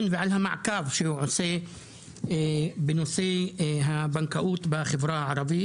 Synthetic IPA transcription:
nvɪʕalhamaʕkaːvʃiwʕʊse | bɪnʊseːɦabankaʔuːt̪baxɪvɾˤɑːʕɑɾˤɑbɪ

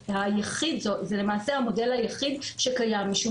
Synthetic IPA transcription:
hajaχid̪zotzelemaːse̞hamo̞de̞lhajaχid̪ʃekajamːiʃu

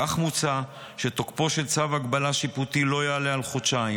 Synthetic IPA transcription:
aχmut͡sa | ʃet̪okpo̞ʃe̞lt͡savaɡbalaʃiput̪ilo̞jalealχot͡ʃai

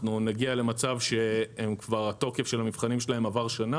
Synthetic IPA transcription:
nunaɡiale̞mat͡savʃe̞emkvaʁat̪o̞kefʃelhamivχanimʃelahe̞mavaʁʃana

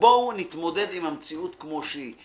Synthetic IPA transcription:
bounit̪mo̞d̪ed̪imamt͡siut̪kmoʃi

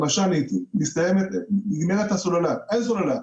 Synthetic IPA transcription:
maʃanit̪imist̪ajemet̪iɡmeʁet̪hasololaes̬olola

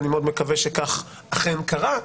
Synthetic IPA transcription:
nimeod̪mekaveʃekaχ | aχenkaʁa

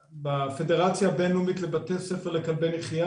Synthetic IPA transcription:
bafe̞deʁat͡sjaːbenumit̪le̞batesefeʁlekalbeneχija

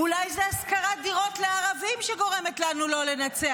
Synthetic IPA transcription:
ulajzeaskaʁad̪iʁo̞t̪leaʁavimʃeɡo̞ʁe̞metlanulo̞le̞nat͡se

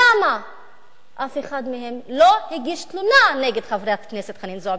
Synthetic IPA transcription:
ama | ʔafeχad̪mehemlo̞hiɡiʃt̪lunaneɡed̪χavɾejakneset̪χaninzoa

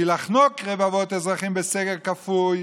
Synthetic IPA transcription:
ilaχnɔkʁɛvavɔtɛzʁaχimbɪsɛɡəʁkafuj

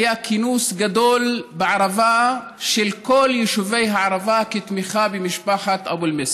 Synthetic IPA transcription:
jakinusɡad̪o̞lbeʕaʁava | ʃelko̞ljiʃuve̞jɦaʕaʁavaket̪miχabemiʃpaħat̪ʔa̰bulmes

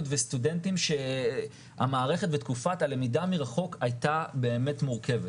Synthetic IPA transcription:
tvestude̞ntimʃe̞ | ha̰maːʁe̞χe̞tvetkufatalemidamiʁaχo̞kajtabeːme̞tmuʁke̞vet

